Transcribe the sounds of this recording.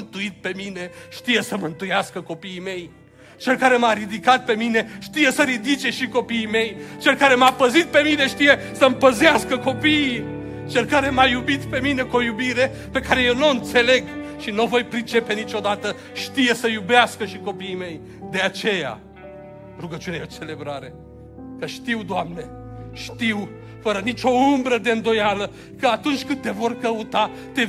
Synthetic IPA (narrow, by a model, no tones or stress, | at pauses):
ɨnt̪uit̪̚pe̞mine̞ʃt̪ije̞səmɨnt̪ujaskəko̞piːme̞j | t͡ʃe̞lkaɾe̞maɾid̪ikat̪̚pe̞mine̞ʃt̪ije̞səɾid̪it͡ʃe̞ʃiko̞piime̞jt͡ʃe̞lkaɾe̞mapəzit̪̚pe̞mine̞ʃt̪ije̞ | səmpəzeaskəko̞piː | t͡ʃe̞lkaɾe̞majubit̪pe̞mine̞kuo̞jubiɾe̞ | pe̞kaɾe̞jewnoɨnt̪se̞le̞ɡʃinuvo̞jpɾit͡ʃe̞pe̞nit͡ʃo̞d̪at̪ə | ʃt̪ije̞səjubeaskəʃiko̞piːme̞j | d̪e̞at͡ʃe̞ja̰ | ruɡət͡ʃunejeot͡ʃe̞le̞bɾaɾe̞ | kəʃt̪iwd̪oamne̞ | ʃt̪iw | fəɾənit͡ʃʲo̞umbɾəd̪e̞ɨnd̪o̞jalə | kəat̪unt͡ʃʲkɨnd̪t̪e̞vo̞rkəut̪a | t̪e̞